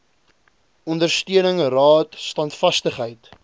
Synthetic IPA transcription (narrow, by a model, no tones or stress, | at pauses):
ɔndərstyənəŋrɑːtstɐntfɐstəχɦəjt